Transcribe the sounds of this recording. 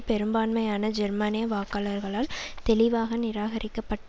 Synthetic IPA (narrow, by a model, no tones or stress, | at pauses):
pɛɾɯmbaːnmɐjaːnɐd͡ʒɛɾmaːnɪjɐʋaːkaːlɐɾɣɐɭaːlt̪ɛlɪʋaːɣɐnɪɾaːɣɐɾʔɪkːɐpːɐʈː